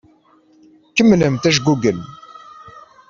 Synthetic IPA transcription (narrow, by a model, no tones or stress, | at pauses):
kəmːləmt̪æʃ̬ɡuɡən